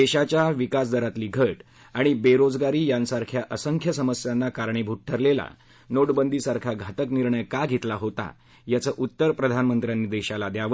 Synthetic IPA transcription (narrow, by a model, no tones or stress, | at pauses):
d̪eɕat͡ɕjaʋikasd̪əɾat̪liːɡʱəʈ | aɽ̃ibeɾod͡zɡaɾiːjãnsaɾkʰjaʔəsəŋkʰjəsəməsjanːakaɾɳebʱuʈ̚ʈʰəɾlela̰ | noɽbənd̪ʱisaɾkʰaɡʱat̪əkniɾɳəjkaɡʱet̪laɦot̪a̰ | jat͡səːʔut̪ːəɾpɾəd̪ʱanmənt̪ɾjanːiːd̪eɕalad̪jaʋə